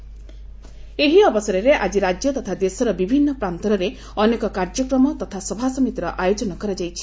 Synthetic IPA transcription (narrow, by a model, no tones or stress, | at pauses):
eɦiɔbɔsɔɾeɾeʔad͡ʒiɾad͡ʒjɔt̪ɔt̪ʰad̪esɔɾɔbibʱinːɔpɾant̪ɔɾɔɾe | ɔnekɔkaɾd͡ʒɔkɾɔmɔt̪ɔt̪ʰasɔbʱasɔmit̪iɾɔʔajod͡ʒɔnɔkɔɾad͡ʒajt͡ʃʰi̥